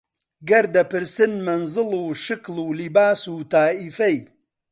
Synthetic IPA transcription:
ɡɐɾd̪ɐpɨɾsɨnmɐnzɨluʃɨkluːlibaːsuːt̪aːʔifɐj

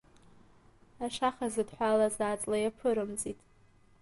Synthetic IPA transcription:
aʂaχazɨdħʷalazaːt͡sʼlajapʰɨɾɨmzitʼ

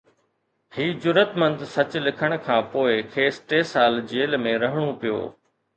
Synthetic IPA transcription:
hiːd͡ʑʊɾət̪mə̃nd̪sɐt͡ɕlɪkʰəɽ̃̆kʰãːpoːɪkʰeːsʈeːsaːld͡ʑeːlmẽɾɐɦɪɽ̃opijo̰ː

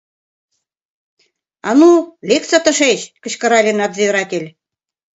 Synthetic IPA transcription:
ɑ̰nulʲek̪t͡sɑt̪ɤ̆ʃeɕkə̆ɕkɤ̆ɾɑlʲenɑt̪zeøɾɑt̪ʲelʲ

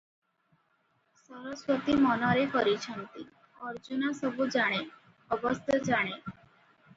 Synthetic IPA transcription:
səɾəsʋət̪iːmɔnaɾekəɾit͡ɕʰənt̪i | əɾd͡ʑunasəbud͡zaɽ̃e | əbəst̪ʰjəd͡zaɽ̃e

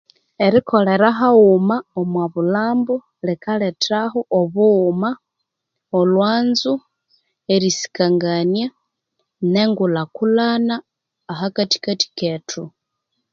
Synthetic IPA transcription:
eɾiko̞le̞ɾaɦaumaomwaβulaːmbu | lekaletɾaxoʔoβuːma | olwaːnzu | eɾisi̥kaŋɡanja | neŋɡulakulanaː | ɦakati̥kati̥ketʰu

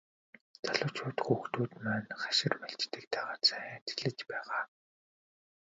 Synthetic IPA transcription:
t͡saɮʊ̆ːwt͡ɕʰʊːt̪xuːxt̪uːt̪mæːnχḁʃɪ̆rmæɬt͡ɕt̪ɘ̆k̚t̪æːʁaːt̪t͡sæt̪ʰi̥ɮɘ̆t͡ɕpæːʁaː

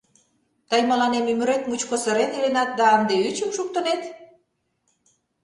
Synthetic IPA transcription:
t̪ɑjməlɑnemymyɾet̪̚mut͡ɕkosəɾet̪elenɑt̪̚d̪ɑɑnd̪eyt͡ɕəmʃuk̚t̪ə̆net̪

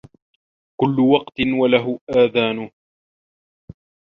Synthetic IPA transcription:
kʊlːʊwɑqt̪ɪnwalaɦʊʔaːðaːnʊ

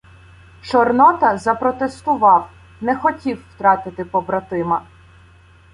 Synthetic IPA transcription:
t͡ʃɔrnɔt̪ɐzɐpɾɔt̪est̪ʊʋɑw | nɛxɔtʲiwːt̪ɾɑt̪ɪt̪ɪpɔbɾɐt̪ɪmɐ

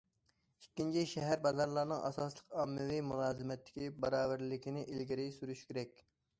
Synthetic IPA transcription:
ikʲːint͡ʃʰiʃɛɦæɾbɑzɑɾlˠɑɾnɨŋʔɑ̰sɑːslˠəqɑmːɨvimulˠɑːzɪmɛt̪ʰːɪ̥kʲibɑɾɑːvæɾlɪkʲinɪʔilɡʲɪɾɪsyɾyʃkʲʰeɾɛkʲ

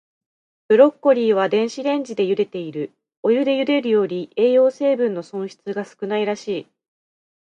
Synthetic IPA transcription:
b̥ɯ̟ɾo̞kːo̞ɾʲiːβ̞ad̪ẽ̞ɰ̃ɕiɾẽ̞ɲ̟d͡ʑid̪e̞jɯ̟d̪e̞t̪e̞iɾɯ̟ | o̞jɯ̟d̪e̞jɯ̟d̪e̞ɾɯ̟jo̞ːɾʲie̞ːjo̞ːse̞ːbɯ̟̃nːo̞sõ̞ɰ̃ɕi̥t͡sɨɡasɨ̥kɯ̟naiɾaɕiː

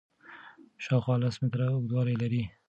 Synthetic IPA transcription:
ʃɑxwɑlasmɪt̪ɾaʊmɪd̪wɑlajlaɾi

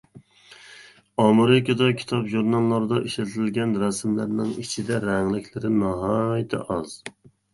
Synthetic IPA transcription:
ɑmɨɾɪkʲɑd̪ɑkʲʰi̥t̪ʰɑpʒuɾnɑlˠːɑɾɨd̪ɑʔiʃlɪt̪ʰɾɪlɡʲɛnɾæsmlæɾnɪŋit͡ʃʰid̪ɛɾæŋlɪkʲʰlɪɾɪnɑɦɑjt̪ʰɪ̰ʔɑz̥

